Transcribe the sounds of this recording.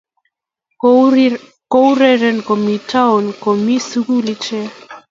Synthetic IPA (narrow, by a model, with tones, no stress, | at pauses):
ko˦u˦ɾɛ˦ɾɛ˨nkɔ˨mi˨ta˦ɔ˨nkɔ˨mi˦su˦ku˦li˦t͡ʃɛ˦